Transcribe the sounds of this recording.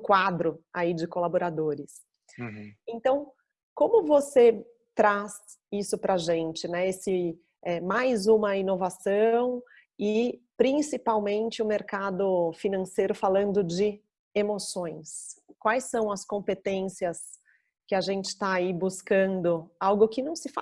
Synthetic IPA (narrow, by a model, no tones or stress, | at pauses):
kwad̪ɾʊaid͡ʒɪkolaboɾad̪oɾɪs | ẽnt̪ɐ̃w̃ | kõmʊvose | t̪ɾas | isʊpɾaʒẽnt͡ʃɪnɛesɪ | ɛmajzũmɐinovasɐ̃w̃ | ɪpɾĩsipawmẽnt͡ʃɪʊmeɾkad̪ʊfinɐ̃sejɾʊfalɐ̃nd̪ʊd͡ʒɪ | emosõj̃skwajsɐ̃w̃ɐskõpet̪ẽsiɐs | kɪaʒẽnt͡ʃɪ̥t̪aibuskɐ̃nd̪ʊawɡʊkɪnɐ̃w̃sɪfa̰